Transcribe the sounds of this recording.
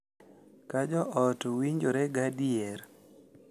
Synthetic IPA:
kad͡ʒɔʔɔtowiɲd͡ʒoɾɛɡadiɛɾ

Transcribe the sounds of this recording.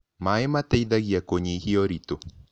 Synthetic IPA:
maematɛiðaɣiakoɲihiɔɾito

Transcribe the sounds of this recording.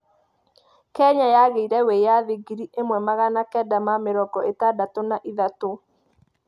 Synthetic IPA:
kɛɲajaɣeiɾɛwejaðiɡiɾiʔemwɛmaɣanakɛdamameɾɔɡɔʔetadatonaʔiðato

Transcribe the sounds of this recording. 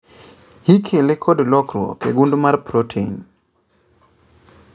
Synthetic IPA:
hikʰelekʰodlɔkrwɔ̰keɡundumarpɾotʰeɲ

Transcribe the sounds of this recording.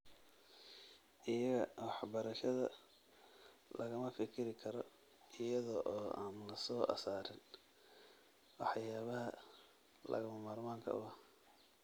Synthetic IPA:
ʔɪjɐɣɐwɑħbɐɾɐʃɐðɐ | lʔɐɣɐmɐfɪkʰɪɾɪkʰɐɾɔ | ʔɪjɐðɔʔɔːaːnlɐsɔːʔɐ̰saːɾɪn | wɑħjaːβɐɦɐ̰ | lɐ̰ɣɐmɐmaːrmaːŋkʰɐ̰ʊ̰ɐh

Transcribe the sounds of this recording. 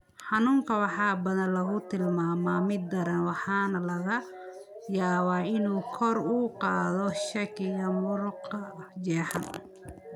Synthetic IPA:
ħɑnuːŋkʰɐwɑħɑːbɐðɐnlɐɣʊt̪ʰɪlmaːmaːmɪd̪̚ːɐɾɐnwɑħɑːnɐlɐɣɐ | jaːβaːɪnuːkʰɔruːqɑːðɔʃɐkʰɪɣɐmʊɾʊqɐd͡ʒɛːħɑ̰n

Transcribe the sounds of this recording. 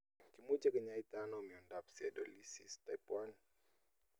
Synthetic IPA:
kimud͡ʒaɡəɲait̪anomiɔndapsiadolisḭst̪ajpwan

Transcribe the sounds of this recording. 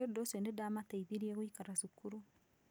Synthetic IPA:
odoswendedamataiðiɾieɣwikaɾasukuɾu

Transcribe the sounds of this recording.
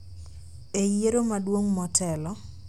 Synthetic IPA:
ejeɾomadwoŋmɔtʰɛlɔ

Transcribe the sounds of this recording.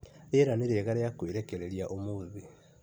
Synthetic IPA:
ɾeːɾaneɾeɣaɾeakoweɾɛkɛɾeɾiaʔomoːði

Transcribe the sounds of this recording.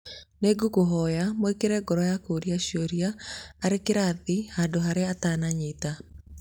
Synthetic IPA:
neɡuɡoɦɔjamoikeɾɛɡɔɾɔjakoɾiaɕoɾiaːɾekeɾaðihandoɦaɾeatanaɲeta

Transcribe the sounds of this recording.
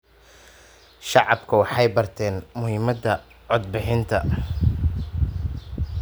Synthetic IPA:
ʃɑʕɑbkʰɐwɑħɑjbɐrt̪ʰɛːnmʊhɪmɐd̪ɐ | ʕɔd̪̚bɪħɪnt̪ʰɐ

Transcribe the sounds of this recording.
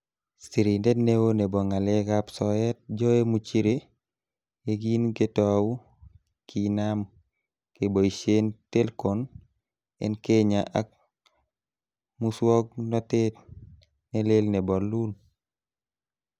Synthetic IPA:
siɾindetnewonebɔŋalekapsɔjɛt̚d͡ʒɔemut͡ʃiɾe | eɡinketɔwu | kʰinam | keboisentelkɔn | ɛ̰nkeɲaʔak̚ | muswɔk̚nɔtet | nelelnebɔlun

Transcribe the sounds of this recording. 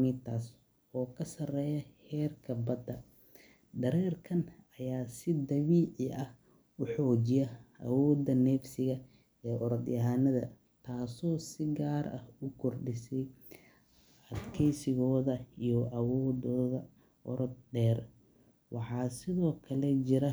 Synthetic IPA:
mɪt̪ʰas | ɔːkʰɐsɐrɛːjɐhɛːrkʰɐbɐd̪ɐ | ɖɐɾɛːrkʰɐn | ɐjaːsɪd̪ɐβiːʕɪɐh | ʊħɔːt͡ʃɪjɐʔɐ̰wɔːd̪ɐnɛːfsɪɣɐ | ɛːʔɔɾɐd̪jɐɦaːnɐðɐ | t̪ʰaːsɔːsɪɡaːɾɐ̰hʊkʰɔrɖɪsɛj | ɐd̪kʰɛjsɪɣɔːðɐijɔʔɐwɔːd̪ɔːðɐ | ʔɔɾɔd̪̚ɖɛːr | wʔɑħɑːsɪðɔːkʰɐlɛt͡ʃɪɾɐ

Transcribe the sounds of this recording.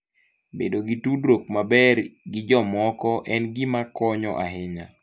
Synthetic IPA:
bḛdoɡitudɾok̚mabɛɾɡɪd͡ʒɔmɔkɔʔɛnɡɪmakɔɲɔ̰ʔa̰ɦɪɲa̰

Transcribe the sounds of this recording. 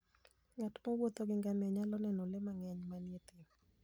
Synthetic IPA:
ŋatmɔwot̪oɡɪŋɡamɛɲalɔnɛnolemaŋɛɲmanjet̪ɪm

